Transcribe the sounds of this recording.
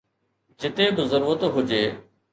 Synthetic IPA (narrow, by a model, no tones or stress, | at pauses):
d͡ʑɪt̪eːbɪzəɾuːɾət̪ɦʊd͡ʑeː